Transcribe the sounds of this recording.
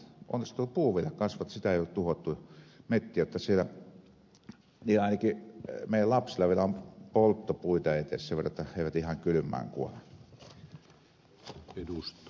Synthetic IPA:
ʔo̰nːˑist̪uːpuːʋˑielækɑsʋɑt̪ɑsit̪æeˑijolet̪t̪uhot̪ːumet̪ːiæjot̪ːɑsielæ | niːɑˑnɑkimeˑijællɑpsilːˑɑʋielæompolt̪ːopuit̪ɑeˑeˑt̪ḛsseʋerˑɑjet̪ːɑheˑiʋæt̪ihɑŋkylymˑæ̰ːŋkṵo̰le | edust̪

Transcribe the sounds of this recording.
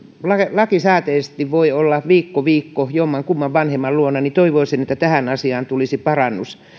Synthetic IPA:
lɑelɑkisæːt̪eːst̪iʋʋoiolːɑʋiːkːoʋiːkːojomːɑŋkumːɑʋʋɑnhemːɑlluonːˑɑnit̪oiʋoisinet̪ːæt̪æhænɑsiɑːnt̪ulisipɑrɑnːus

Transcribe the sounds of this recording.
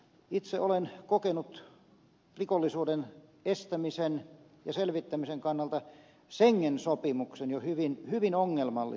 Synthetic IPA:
it̪seʔolenkokenut̪ | rikolːisuːdenest̪æmisen | jɑselʋit̪ːæmiseŋkɑnːɑlt̪ɑ | seŋːensopimuksenjohyʋinhyʋinoŋːelmɑlːḭ

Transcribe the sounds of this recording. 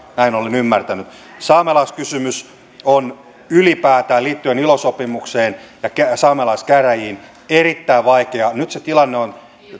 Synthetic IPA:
næinolenymːært̪ænyt̪ | sɑːmelɑskysymys | on | ylipæːt̪æːliːt̪ːyenilosopimukseːnjɑkæsɑːmelɑiskæræjiːn | erit̪ːæiʋʋɑikeɑnyt̪set̪ilɑnːeon

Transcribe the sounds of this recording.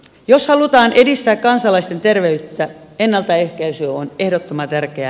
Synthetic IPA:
joshɑlut̪ɑːnʔedist̪æːkkɑnsɑlɑist̪ent̪erʋeyt̪ːæenːɑlt̪ɑehkæysyøonehdot̪ːomɑt̪ærkeæ

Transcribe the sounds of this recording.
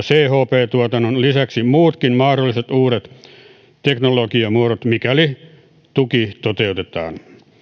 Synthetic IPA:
seːhoːpeːt̪uot̪ɑnonlisæksimuːt̪kinmɑhrolːˑiset̪uːɾet̪ | t̪eknolokiɑmuoɾot̪mikæli | t̪ukit̪ot̪eut̪et̪ɑ̰ːn

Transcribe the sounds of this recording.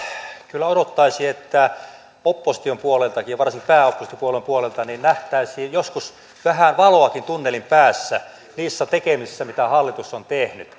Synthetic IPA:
kylːæodot̪ːɑisiːet̪ːæ | opːosi̥t̪iompuolelt̪ɑkijjɑʋɑrsiŋkipæːopːosit̪iopuolempuolelt̪ɑninnæht̪æˑisiːjjoskus | ʋæhænʋɑloɑkint̪unːelimpæːsːæ | niːsːæt̪ekemisesːæmit̪æhɑlːit̪usːont̪ehny̰t̪

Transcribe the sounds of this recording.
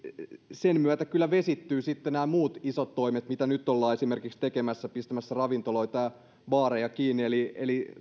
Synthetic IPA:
senmyæt̪ækylːæʋesit̪ːyːsit̪ːenæːmuːt̪isot̪toimet̪mit̪ænyt̪ːolːɑːesimerkikst̪ekemæsːæpist̪æmæsːærɑʋint̪oloit̪ɑj | ʋɑːrejɑkiːnieliḛli

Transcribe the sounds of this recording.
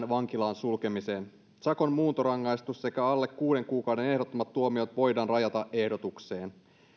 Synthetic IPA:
nʋɑŋk̟ilɑːnsulke̞mise̞ːn | sɑko̞nmuːnt̪oɾɑŋːɑjst̪usse̞kæɑlːe̞kːuːde̞ŋkuːkɑwde̞ne̞ɦdo̞t̪ːomɑt̪ːuomio̞t̪ʋo̞jdɑːnrɑjɑt̪ɑʔe̞hdo̞t̪ukse̞ːn

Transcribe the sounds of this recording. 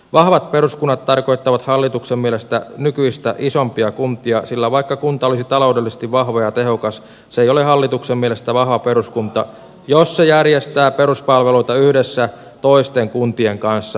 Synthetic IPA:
ʋɑhʋɑt̪peɾuskunːɑt̪t̪ɑrko̞jt̪ːɑʋɑt̪hɑlːit̪uksemmielest̪ænykyist̪æʔisompiɑkunt̪iɑsilːæʋɑikːɑkunt̪ɑolisit̪ɑlo̞udelːise̥st̪iʋʋɑhʋɑjɑt̪eɦokɑs | seijoleɦɑlːit̪uksemmielest̪æʋɑhʋɑpeɾuskunt̪ɑ | josːejærjest̪æːpeɾuspɑlʋeluit̪ɑyhdesːæ | t̪oist̪eŋkunt̪ieŋkɑnsːɑ

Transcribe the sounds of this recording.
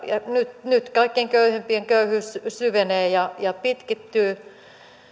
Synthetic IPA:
jɑnyt̪nyt̪kɑikːeŋkøyhempieŋkøyhyssyʋeneːjɑjɑpit̪kit̪ːyː

